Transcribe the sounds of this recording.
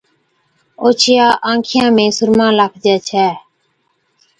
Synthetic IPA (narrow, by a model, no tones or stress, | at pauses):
oːt͡ʃʰjaːʔãːŋkʰɪjãːmẽːsʊɾmãːlaːkʰd͡ʒɛːt͡ʃʰɛː